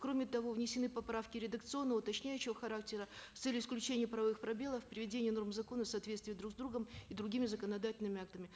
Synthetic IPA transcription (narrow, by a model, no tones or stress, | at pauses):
kɾo̞mʲɪt̪ɐvo̞vnʲɪsʲɪnɨpɐpɾafkʲɪɾʲɪd̪əkt̪sɨo̞nːəvəʊt̪ɐt͡ɕnʲæjʉɕːɪvəxɐɾak̚tʲɪɾət̪sɛlʲɪsklʲʉt͡ɕenʲɪjəpɾɐvɐvɨxpɾɐbʲe̞lˠəfpɾʲɪvʲɪdʲenʲɪjəno̞rmzɐko̞nəfsɐːt̪vʲet̪st̪vʲɪjd̪ɾuɡzd̪ɾuɡəmɪd̪ɾʊɡʲimʲɪzəkənɐd̪atʲɪlʲnɨmʲɪak̚t̪əmʲɪ